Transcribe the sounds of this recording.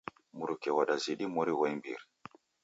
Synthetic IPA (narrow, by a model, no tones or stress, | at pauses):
muɾukɛwaɗaziɗimɔɾiwajmbḭɾ